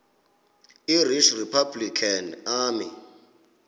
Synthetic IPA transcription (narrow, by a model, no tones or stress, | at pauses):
iriʃripʰablikʰanaːmɪ̰